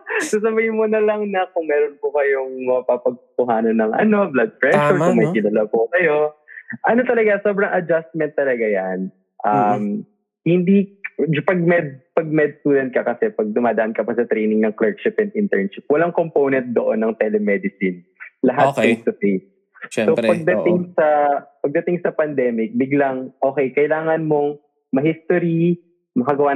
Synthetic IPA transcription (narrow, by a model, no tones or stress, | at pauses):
sɐsɐbɐjmonɐlɐŋnɐkʊŋmɛːɾonpokɐjoŋmɐɐpapɐɡ̚tʊk̪ʊɦaːnɐnːɐŋʔɐ̰no̞blad̪̚pɹɛʃʊɹkʊŋmɐjɡ̪ɪlɐlapokɐjo̞ʔɐno̞t̪ɐlɐɡaso̞ːbɾɐŋʔɐd͡ʒast̪̚mɛnt̪ːɐlɐɡajan | ʔɐm | hɪnd̪id͡ʒpɐɡ̚mɛd̪̚pɐɡ̚mɛd̪̚st̪uːd̪ɛnt̪̚kɐkɐsɛpɐɡ̚d̪ʊmaːd̪ɐʔɐnkɐpɐsɐt̪ɾejnɪŋnɐŋklɛɹd̪ʃɪpɛnd̪ɪnt̪ɛɹnʃɪp̚wɐlaŋkompownɛnt̪̚d̪oʔonːɐŋt̪ɛlɛmɛd̪ɪsɪn | lɐɦat̪ːɪsɐfes | ʃsopɐɡ̚d̪ɐt̪ɪŋsɐpɐɡ̚d̪ɐt̪ɪŋsɐpɐnd̪ɛːmɪk̚bɪɡlaŋʔo̞ːkɛjkɐjlaːŋɐnmo̞ŋ | mɐɦist̪oɾi | mɐkɐɡɐwa